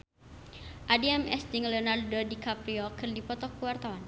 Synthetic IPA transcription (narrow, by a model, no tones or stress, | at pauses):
ʔadiɛmɛsd͡ʒiŋlɔnardɔdikapɾiɔkɨrdipɔt̪ɔkuwart̪awan